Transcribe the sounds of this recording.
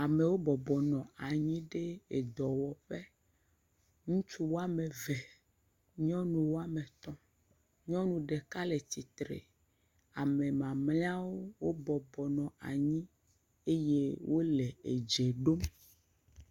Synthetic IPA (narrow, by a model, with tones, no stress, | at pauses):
a˨me˨wo˦bɔ˨bɔ˨nɔ̃˨a˨ɲĩ˦ɖe˦e˨d̪ɔ˨wɔ˨ɸe˦ | ŋũ˦t͡ʃu˦wo˦a˦me˨vɛ˨ | ɲɔ̃˦nũ˨wo˦a˦me˨t̪ɔ˦ | ɲɔ̃˦nũ˨ɖe˨ka˦le˨t̪i˨t̪ɾḛ˨ | a˨me˨mã˨mlẽ˦a˦wo˦wo˦bɔ˨bɔ˨nɔ̃˨a˨ɲĩ˦ | e˦je˦wʔo˦le˨e˨d͡ʒe˨ɖo˦m